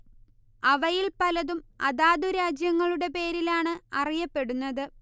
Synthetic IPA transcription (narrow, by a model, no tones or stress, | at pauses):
ɐʋɐjilpɐlɐðumɐðaːd̪uɾaːd͡ʑjɐŋːɐɭuɽe̞pe̞ːɾilaːɳɨɐrijɐpːe̞ɽunːɐðɨ